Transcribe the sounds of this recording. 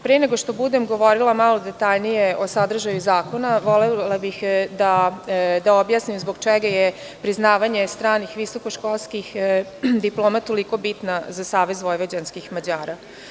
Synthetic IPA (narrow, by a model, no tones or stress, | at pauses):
pɾeeneɡo̞ʃt̪o̞bud̪emɡo̞ʋo̞ɾilˠamalo̞d̪et̪aʎnijeʔo̞sad̪r̩ʒajuzaːko̞naʋo̞lelabixd̪ad̪aobjaːsnimzboɡt͡ʃeɡaje | pɾiznaːʋaɲest̪ɾaːnixʋiso̞ko̞ʃkolˠskixd̪iplˠoːmat̪ːoliko̞bit̪nazasaːʋezʋo̞jʋad͡ʑanskixmad͡ʑaːɾa